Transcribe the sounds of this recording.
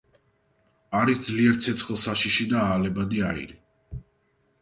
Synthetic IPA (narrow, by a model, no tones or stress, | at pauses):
aɾisd̪zliɛɾt̪sʰɛt̪sʰχlˠsaʃiʃid̪aaːlɛbad̪iaḭɾi